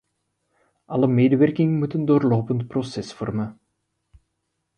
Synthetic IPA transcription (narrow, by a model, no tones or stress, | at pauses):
ʔɑləmeːdəʋɛrkɪŋəmutəndoːrloːpəntprosɛsfɔ̰rmə